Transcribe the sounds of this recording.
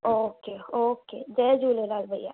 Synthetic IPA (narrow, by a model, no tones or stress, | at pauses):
oːkeːoːkeːd͡ʒɛd͡ʒuːleːlaːlbʱəjːa̰ː